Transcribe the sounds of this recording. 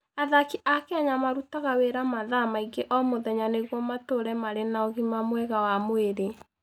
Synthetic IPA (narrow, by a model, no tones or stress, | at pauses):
aðakiʔakeaɲamaɾutaɣaweɾamaðamaiɡeʔɔmoðɛɲaneɣwɔmatoɾɛmaɾenaɔɣimamwɛɣawamoeɾe